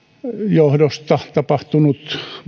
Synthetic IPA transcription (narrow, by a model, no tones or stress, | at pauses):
johdost̪ɑt̪ɑpɑht̪unut̪